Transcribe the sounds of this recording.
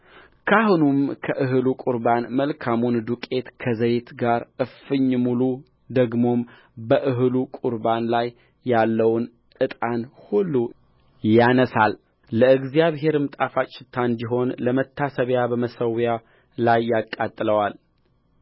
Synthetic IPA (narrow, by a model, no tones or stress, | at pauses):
kʰaɦunumkʰəʔɨɦɨlukʼuɾbanməlkʰamund̪ukʼe̞t̪kʰəzəjt̪ɡaɾɨfɨɲːmulu | d̪əɡmo̞m | bəʔɨɦlukʼuɾbanlajː | alːəwn | ʔɨt̪ʼanhulːu | janəsalː | əɨɡzjaβɦe̞ɾɨmt̪ʼafat͡ʃʼːɪt̪ʰːand̪iɦo̞nləmət̪ʰːasəβjabəməsəwja | lajːakʼːat̪ʼːɨləwal